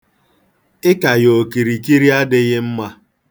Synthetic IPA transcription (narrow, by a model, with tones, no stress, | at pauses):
ɪ˦ka˨jo˨ki˨ɾi˨ki˦ɾi˦a˦dɪ˦ɣɪ˦m̩˦ma˦